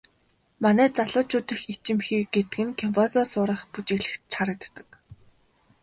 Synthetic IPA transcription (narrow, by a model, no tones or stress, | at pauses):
manæːt͡saɮʊːt͡ɕʊːt̪ɘ̆xit͡ɕɪ̆mxiwɡet̪ɘ̆ɡɘ̆nkʰɔmpʰɔsɔsʊːɾə̆χput͡ɕɪ̆ɣɮɘ̆xt͡ɕʰaɾə̆t̪ːə̆k̚